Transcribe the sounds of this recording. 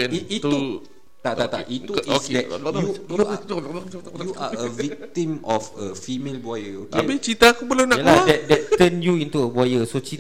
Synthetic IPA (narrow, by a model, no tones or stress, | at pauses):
ɛniit̪u | t̪aʔt̪at̪a̰ʔit̪uisdɛuju | uaəvik̚t̪imɔfəfimelbuajəokeabit͡ʃit̪aakubəlanaʔəadɛdɛt̪̚t̪ənjuint̪uəbuajəsot͡ʃi